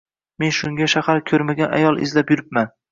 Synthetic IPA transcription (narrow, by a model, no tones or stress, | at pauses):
me̞nʃʊŋʲaʃahaɾkʲʰɵɾmaɡʲana̰jɒlˠɪ̰zlapjʊɾɪp̚man